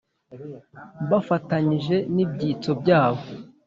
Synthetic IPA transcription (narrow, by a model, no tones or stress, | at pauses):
βafataɲiʒe̞nib̚ɟiːt͡so̞bɟaːβo̞